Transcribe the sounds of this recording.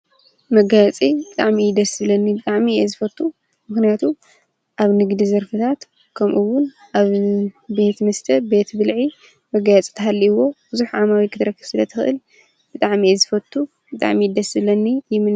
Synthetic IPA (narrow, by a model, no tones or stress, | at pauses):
mɐɡajɛt͡sʼibɨt̪ʼaʕmijɪd̪ɐsɨβlɐnːibɨt̪ʼaʕmiezɨfɐt̪ʼːu | mɨxnijat̪ʰu | ʔaβnɨɡd̪izɐɾfɨt̪ʰat̪ | kʰɐmʔɨwʊn | ʔaβbe̞t̪mɐst̪ʰɐbe̞t̪bɨlʕi | mɐɡajɛt͡sʼi̥t̪ʰɐɦalːiwo̞bɨzuħʕamawikʰɨt̪ʰɨɾɐkːɨβ̥sɨlɐt̪ʰɨxɨʔɨ̰l | b̥ɨt̪ʼaʕmiezɨfɐt̪ʰʼːu | bɨt̪ʼa̰ʕmid̪ɐsɨbɨlɐnːijɪmɨn